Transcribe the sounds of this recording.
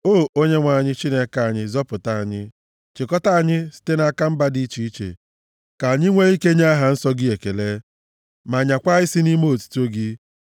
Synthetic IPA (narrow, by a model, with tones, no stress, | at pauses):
oː˦˨o˦ɲe˦ŋʷa˨ɲɪ˦t͡ʃi˦ne˦ka˦˨a˨ɲɪ˦zɔ˦pʊ˨ta˦a˨ɲɪ˦ | t͡ʃɪ˨kɔ˦ta˦a˨ɲɪ˦si̥˦te˦na˨ka˦m̩˦ba˦di˦t͡ʃi˦i˦t͡ʃḛ˨ | ka˨a˨ɲɪ˦ŋʷe˦i˦ke˦ɲa˦a˦ɦa˨n̩˦sɔ˦ɡɪ˦e˨ke˨le˦ | ma˨ɲa˨kʷa˦ɪ˦si˦ni˦me˦o˨tu̥˦to˦ɡɪ˦